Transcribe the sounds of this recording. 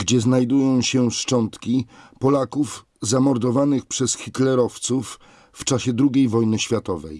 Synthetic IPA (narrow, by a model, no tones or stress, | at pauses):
ɡd͡ʑɛznajd̪ujɔ̃w̃ɕɛʂt͡ʂɔnt̪kʲipɔlakuf | zamɔɾd̪ɔvanɘxpʂɛsxʲik̪lɛɾɔft̪sufː | t͡ʂaɕɛd̪ɾuɡʲejvɔjnɘɕfʲjat̪ɔvɛ̰j